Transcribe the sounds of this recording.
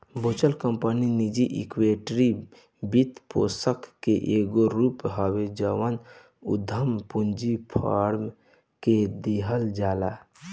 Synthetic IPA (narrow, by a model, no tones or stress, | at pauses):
bot͡ʃəlkəmpəninid͡ʒiʔḭkweʈɾi | bit̪po̰səkːeʔeɡoɾupɦawed͡ʒawən | ṵd̪ʱəmpund͡ʒipʰa̰ɾm | ked̪eɦəld͡ʒala